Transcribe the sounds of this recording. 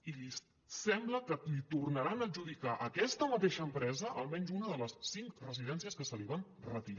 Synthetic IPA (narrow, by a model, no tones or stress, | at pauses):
ili | sɛmbləkəlit̪urnəɾanəʒuðikaʔəkɛst̪əmət̪eʃəːmpɾɛzəʔəlˠmɛnzunəðələsːiŋkrəziðɛnsiəskəsəliβ̞an | rət̪iɾ